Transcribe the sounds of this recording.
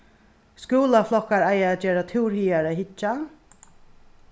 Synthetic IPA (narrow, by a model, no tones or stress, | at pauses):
skuːlaflɔkːaɹajaɛt̪̚d͡ʒɛːɾat̪ʰɪwɾhiːaɹəɦɪt͡ʃːa